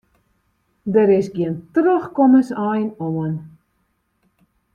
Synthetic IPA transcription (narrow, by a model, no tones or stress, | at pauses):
dəɾɪsɡiəntrøχkɔməsɑjnoən